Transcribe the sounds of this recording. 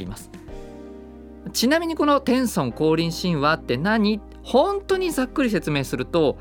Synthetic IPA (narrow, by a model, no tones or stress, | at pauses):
ɾʲḭmasɨ̥ | t͡ɕinamʲiɲ̟iko̞no̞t̪ẽ̞ɰ̃sõ̞ŋko̞ːɾʲĩɰ̃ɕĩɰ̃βat̪ːe̞naɲ̟i | hõ̞nt̪o̞ːɲ̟izakːɯ̟ɾʲise̞t͡sɨme̞ːsɨɾɯ̟t̪o̞